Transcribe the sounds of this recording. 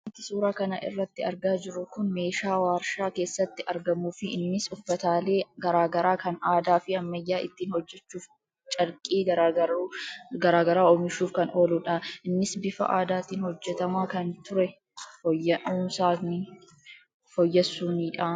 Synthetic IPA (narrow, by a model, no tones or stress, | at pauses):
ɐnt̪ɪsuːɾaːkɐnɐ̰ʔɪ̰rːɐt̪ːɪɐɾɡaːd͡ʒɪɾʊkʊnme̞ːʃaːwaːɾʃaːke̞ːsːɐt̪ːɪʔɐɾɡɐmuːfɪʔɪnːɪsʊfːɐt̪aːle̞ːɡɐɾaːɡɐɾaːkɐnaːd̪aːfɪɐmːɐjːaːʔɪt̪ːiːnhɔd͡ʒːɛt͡ʃːuːf | t͡ʃʼɐɾkʼiːɡɐɾaːɐɾuɡɐɾaːɡɐɾaːɔmɪʃuːfkɐnʔo̞ːluːᶑɐʔɪnːɪsbɪfɐ̰ʔa̰ːd̪aːt̪iːnhɔd͡ʒːɛt̪ɐmaːkɐnt̪ʊɾɛ | fɔjːɐuːnsaːnɪ | fɔjːɛsːuːniːᶑaː